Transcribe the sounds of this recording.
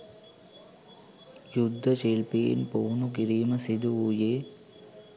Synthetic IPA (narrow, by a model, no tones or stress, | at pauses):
jud̪ʱːɐt͡ʃeɭpḛːnpoːnukiɾiːmɐsid̪uujeː